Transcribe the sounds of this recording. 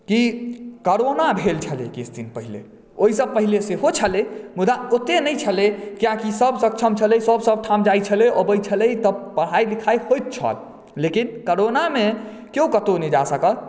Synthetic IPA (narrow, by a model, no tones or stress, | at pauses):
kikəɾonabʱelt͡ʃʰəlḛkisʰd̪inpəɦilḛ | oɦisəb̚pəɦileseɦot͡ʃʰəlemud̪aot̪enəjt͡ʃʰəlekijãkisəbsək̚t͡ʃʰəmt͡ʃʰələjsəbsəb̚ʈʰamd͡ʒajt͡ʃʰəleʔəbəjt͡ʃʰələt̪əpəɽ̤ajlikʰajhojt̪̚t͡ʃʰə̰l | lekinkəɾoname | keukət̪onəd͡ʒasəkəl